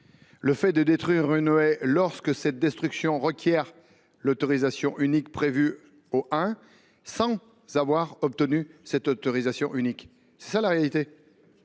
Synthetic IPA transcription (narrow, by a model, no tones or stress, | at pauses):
ləfɛd̪əd̪et̪χɥiʁynoɛlɔʁskəsɛt̪̚d̪ɛst̪χyksjɔ̃ʁəkʲjɛʁ | lot̪ɔʁizasjɔ̃ʔynikpχevy | oʔɛ̃ | sɑ̃ | zavwaʁɔp̚t̪ənysɛt̪ot̪ɔʁizasjɔ̃ʔynik | sɛ̥salaʁealit̪e